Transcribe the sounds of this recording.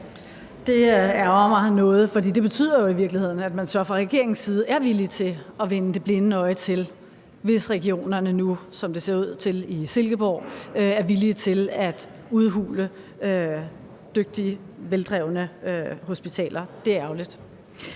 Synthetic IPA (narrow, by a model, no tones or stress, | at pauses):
d̥e̝æɐɒmɑ̈nɔ̽ːð̞̩ˠfɒdḭːd̥e̝b̥e̝t͡sʰy̰ð̰ˠɐjo̝iʋiɐɡ̥lihe̝ð̞̰ˠn̩æd̥mænsɶɐfʁɑ̈ʁɛɡ̥e̝ɐeŋ̩sːiːð̞̩ˠæɐʋilit͡sʰe̝ɒ̽ʋenəd̥e̝b̥le̝nənəɒ̽ɪt͡sʰe̝l | ʋe̝sʁɛɡ̥io̝̰ːnɐnənusɒ̽md̥e̝se̝ɐuð̞̰ˠt͡sʰe̝lise̝lɡ̥əb̥ɒ̰ːæɐʋilit͡sʰe̝læd̥ | uð̞ˠɦṵːlə | ø | d̥øɡ̥̚d̥iə | ʋeld̥ʁɛʊnəøho̝sb̥it͡sʰɛ̰ːlʔɐd̥e̝æɐæʊlid̥